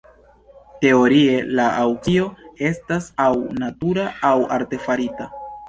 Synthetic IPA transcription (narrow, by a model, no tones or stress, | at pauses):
te̞o̞ɾie̞laʔawkio̞e̞stasawnatuɾaawaɾte̞faɾita